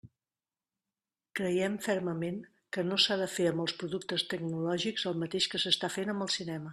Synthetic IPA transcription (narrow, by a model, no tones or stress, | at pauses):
kɾəjɛmfɛɾməmen | kənosaðəfeəmbəlˠspɾuðuk̚t̪əst̪əɡ̚nulɔʒikzəlˠmət̪eʃkəsəst̪afenəmbəlˠsinɛmə